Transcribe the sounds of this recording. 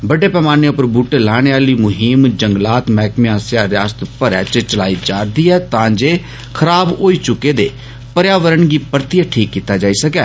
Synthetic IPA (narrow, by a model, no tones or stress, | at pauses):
bəɖeːpɛːmaːneʊpəɾbuːʈeːlaːɽ̃eːaːliːmʊɦimd͡ʒəŋɡlaːt̪mɛːkmeãːsjaːɾjaːst̪pəɾɛ̰ːt͡ʃt͡ʃəla̰ːiːd͡ʒaːɾd̪iːɛːt̪ãːd͡ʒeː | kʰəɾaːbɦoːiːt͡ʃʊkːeːd̪eː | pəɾjaːʋəɾəɳɡiːpəɾt̪ijaʈʰiːkːiːt̪aːd͡ʒaːiːsəkɛː